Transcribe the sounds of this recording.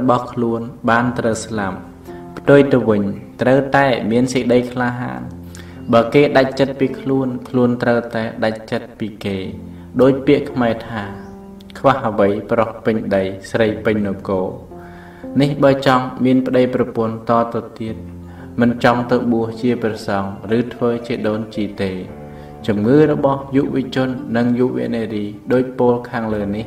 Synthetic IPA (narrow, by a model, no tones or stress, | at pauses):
ɓɑhkʰluənɓaːnt̪rəwslam | pʰt̪ŭəjt̪ɨwʋɨɲt̪rəwt̪aɛmiənsik̚ɗəjkʰlaːɦa̰ːn | ɓaːkeːɗac̚t͡ɕət̪̚piːkʰluənkʰluənt̪rəwt̪aɛɗac̚t͡ɕət̪̚piːkeː | ɗoːc̚piəʔkʰmaɛt̪ʰaː | kʰʋahəʋəjprohpɨɲɗəjsrəjpɨɲnokoː | nihɓaɛt͡ɕɑŋmiənpə̆ɗəjprɑpʊ̆ənt̪ɑːt̪ɨt̪iət̪̚ | mɨnt͡ɕɑŋt̪ɨwɓuəht͡ɕiəprɑsɑŋrɨːt̪ʰʋəːt͡ɕiəɗoːnt͡ɕiːt̪eː | t͡ɕumŋɨːrɔɓɑhjuːʋĭət͡ɕʊ̆ənːɨŋjuːʋḭəʔneːriːɗoːc̚poːlkʰaːŋləːnih